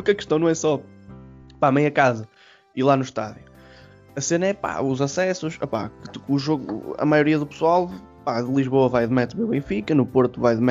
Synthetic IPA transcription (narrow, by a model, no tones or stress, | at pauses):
ukɐkɨ̥ʃt̪ɐ̃w̃nɐ̃w̃ɛsɔ | pamẽj̃ɐkazɐ | ilˠanuʃt̪aðju | ɐsenɐɛpa̰uzɐsɛsuʃɐ̰pa̰kɨ̥kːʒoɣuɐ̰majuɾiɐðupɨ̥swalˠ | paðɨlˠiʒβoɐvajðmɛt̪βɐ̃uβẽfikɐnupoɾt̪uvajðmɛ